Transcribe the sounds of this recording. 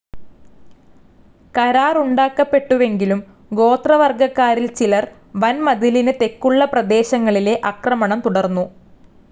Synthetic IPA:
kɐɾaːruɳɖaːkːɐpːe̞ʈːuʋe̞ŋɡilum | ɡo̞ːt̪rɐʋɐrɡɐkːaːɾilt͡ɕilɐr | ʋɐnmɐd̪ilinɨt̪e̞kːuɭːɐprɐd̪e̞ːɕɐŋːɐɭile̞ʔɐkrɐmɐɳɐmt̪uɽɐrnːu

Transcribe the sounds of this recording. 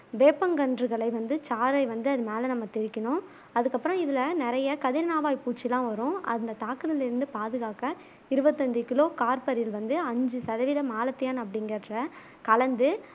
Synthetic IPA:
ʋeːpːɐŋɡɐɳdɾɯɣɐɭɐɪʋɐnd̪ɯt͡ʃaːɾɐɪʋɐnd̪ɯɐðɯmeːlɐnɐmːɐt̪ɪɾɪkːɐnʊ̃ | ɐðɯkːɐpːɯɾɐ̃ɪðɪlɐnɪɾɐjɐkɐðɪɾɐnaːʋaːjpuːʈt͡ʃːɪlːãːʋɐɾʊ̃ʔɐ̰nd̪ɐt̪aːkɯðɪlɪɾɯnd̪ɯpaːðɯɣaːkɐ | ɪɾɯbɐt̪ːɐɲd͡ʒɯkɪloːkaːɾpɐɾɪjɪlʋɐnd̪ɯɐɲd͡ʒɯsɐðɐʋiːðɐmaːlɐt̪ːɪjaːnɐpːɐɽɪŋɡɐɾɐʈrɐ | kɐɭɐnd̪ɯ

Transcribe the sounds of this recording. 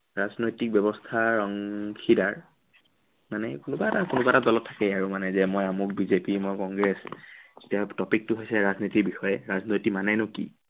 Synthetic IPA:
ɹaznojtik̚bɔbɔstʰaɹɔŋkʰidaɹ | manɛkʊnʊbatakʊnʊbatadɔlɔtʰːḁkɛaɹumanɛzɛmɔjamuk̚bizepimɔjkɔŋɡɹɛszetijatɔpik̚tʊɦojsɛɹaznitikbixɔjɛɹaznojtimanɛnʊkḭ

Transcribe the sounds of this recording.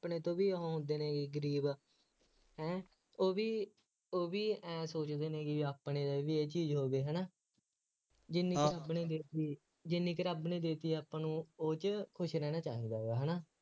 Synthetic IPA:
pneːt̪õːbiːəõːɦʊ̃nd̪eːnẽːkɪɡəɾiːb | ɦɛ̃ː | oːʋiː | oːʋiːɛːsoːt͡ʃd̪eːnẽːkɪaːpneːd̪aːʋiːeːt͡ʃiːzɦoːɡeːɦɛːnaː | d͡ʒɪnːiːkɾabniːd̪eːt̪iː | d͡ʒɪnːĩːkəɾaːbnĩːd̪eːt̪iːaːpãːnũːoːt͡ʃkʰʊʃɾɛːnaːt͡ʃaːɦiːd̪aːoɡaːɦɛːnaː

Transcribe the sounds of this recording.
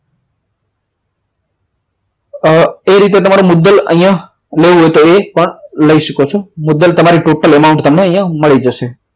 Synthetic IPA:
eɾit̪̬et̪əmaɾomʊd̪ːələ̰ɦj̃ã | leʋũɦojt̪oepəɳləiʃəkot͡ʃʰomʊd̪ːəlt̪əmaɾiʈoʈəlemaũɳʈt̪əmneəɦj̃ãməɭid͡ʒəʃe

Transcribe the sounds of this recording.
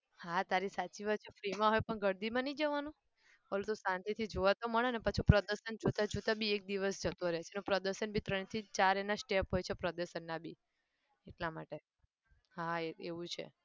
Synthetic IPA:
hãt̪aɾisat͡ʃiʋat͡ʃʰefɾimãɦojpəɳɡəɾd̪imãnəĩd͡ʒəʋanũ | pəlut̪osãnt̪it̪ʰid͡ʒoʋat̪oməɭenepat͡ʃʰupɾəd̪əɾʃənd͡ʒot̪ad͡ʒot̪abiek̚d̪iʋəsd͡ʒət̪õɾɛɦet͡ʃʰenepɾəd̪əɾʃənbʱit̪ɾəɳ̃it̪ʰit͡ʃaɾenasʈepɦojt͡ʃʰepɾəd̪əɾʃənːabʱi | eʈlamaʈe | ɦaeeʋũt͡ʃʰḛ

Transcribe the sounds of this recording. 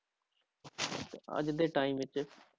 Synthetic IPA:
ə̰d͡ʒd̪eːʈaːimʋɪt͡ʃ

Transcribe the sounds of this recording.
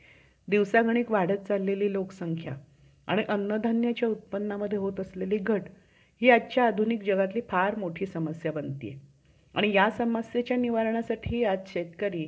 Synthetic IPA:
d̪iʋsaɡʱɳ̃iːkʋaɽ̤ət̪̚t͡salːeliːloksəŋkʰja̰ | a̰ɽ̃iʔənːəd̪ʱanjat͡ɕjaut̪̚pənːaməd̪ʱjeɦot̪əsleliːɡʱəʈ | ɦiːatːt͡ɕjaːd̪ʱunikd͡ʑəɡat̪liːpʰaɾmoʈʰiːsəməsjabənt̪ḭjḛ | a̰ɽ̃ijasəməsjet͡ɕjaniʋaɾɳ̃asaʈʰiːad͡zɕet̪kəɾiː

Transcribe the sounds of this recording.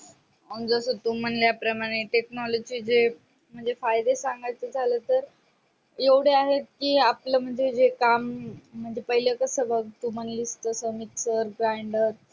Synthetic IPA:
und͡zəsət̪um̤ənljapɾəmaɽ̃eʈeknɔlɔd͡ʑiːd͡ze | m̤əɳd͡zefajd̪esãŋɡajt͡sed͡zʱaləːt̪əɾ | jeʋɽ̤eaɦet̪̚kiːapləm̤əɳd͡zed͡zekam̤ːəɳd͡zepəɦiljəkəsəbəɡt̪um̤ənlist̪əsəmit̪səɾɡɾajɳɖət̪̚

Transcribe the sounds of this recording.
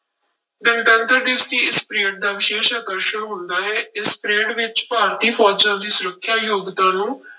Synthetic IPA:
d̪ɪmt̪ə̃nt̪əɾd̪ɪʋst̪iːɪspɾeːʈ̚d̪aːʋɪʃeːʃaːkəɾʃəɾːɦʊnd̪aːɦɛːɪspɾeːʈʋɪt͡ʃpaːɾt̪iːpʰɔːd͡ʒãːd̪iːsʊɾəkʰːjaːjoːɡt̪ãːnũː

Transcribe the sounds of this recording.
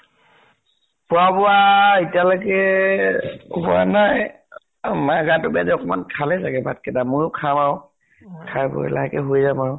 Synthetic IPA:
pʊabɔwaitijalɔkɛ | bɔa̰naj | maɡatʊbiadɛɔkɔmankʰalɛsaɡɛbat̚kɛdamʊjʊkʰamaw | kʰajbɔ̰la̰ɦɛkɛɦojzamaɹʊ

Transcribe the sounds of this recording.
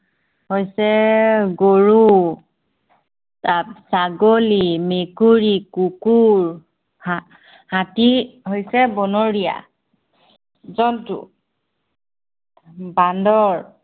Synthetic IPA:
hojsɛɡoɹu | tapsaɡolimekuɹikukuɹ | ha | hatiɦojsɛbɔnɔɹija̰ | zɔntṵ | bandɔɹ

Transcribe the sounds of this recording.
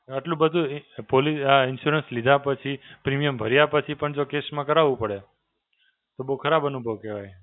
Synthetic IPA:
aʈlũbəd̪ʱũpoliaɪnʃuɾənslid̪ʱapət͡ʃʰipɾimijəmbʱəɾjapət͡ʃʰipəɳd͡ʒokesmãkəɾaʋũpəɽe | t̪obəukʰəɾabənubʱəʋkeʋaj

